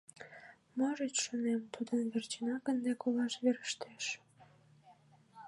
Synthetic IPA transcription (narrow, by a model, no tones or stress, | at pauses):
moʒet͡ɕʃonemt̪ud̪ənβert͡ɕinɑkənd̪ekolɑʃβeɾəʃt̪eʃ